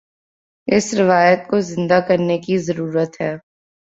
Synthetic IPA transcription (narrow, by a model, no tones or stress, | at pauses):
ɪsɾɪʋaːjət̪̚kozɪ̃nd̪akɐɾnekizɐɾuːɾət̪ɦɛː